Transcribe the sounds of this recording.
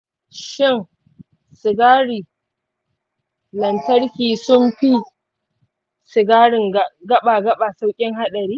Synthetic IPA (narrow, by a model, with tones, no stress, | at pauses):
ʃɪ˦˨ŋ | sɪ˨ɡaː˦ɽiː˨ | lɐ˨ntɐ˦ɽkʲiː˨sʊ˦mɸi˦ | sʊ˨ɡaː˦ɽɪ˨ŋ˨ɡɐ˦ɓa˨ɡɐ˦ɓa˨sa˦wkʲʼɪ˦ŋha˦ɗɐ˨ɽiː˦